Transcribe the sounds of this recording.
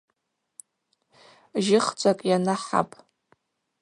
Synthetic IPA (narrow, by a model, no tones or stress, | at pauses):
ʒɪχt͡sʷʼakʼjanaħa̰pʼ